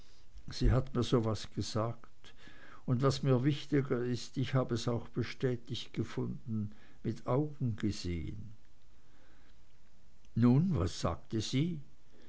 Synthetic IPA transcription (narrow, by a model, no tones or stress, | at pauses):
z̥iːɦatmiːɐzoːvasɡ̥əz̥aːkt | ʊndvasmiːɐvɪçtɪɡɐɪstɪçhaːbəɛsaʊxb̥əʃtɛːtɪçtɡ̥əfʊndn̩ | mɪtʰaʊɡŋ̩ɡ̥əz̥ḛːə̰n | nuːnva̰sːa̰ːk̚təz̥iː